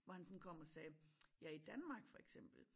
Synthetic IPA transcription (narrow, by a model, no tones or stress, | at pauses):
ʋɒhænsɔ̽nkʰɒ̽m̰ɒ̽sɛːjæid̥ænmɑ̈ːɡ̥fɒ̽eɡ̥sem̰b̥l̩